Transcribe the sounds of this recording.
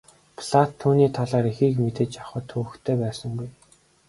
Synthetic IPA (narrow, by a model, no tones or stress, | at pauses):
pʰɮat̪ʰːuːniːt̪ʰaɮaːɾixiːkmet̪eːt͡ɕaχə̆ːt̪ʰŭːxt̪ʰeːpæːsə̆ŋɡuj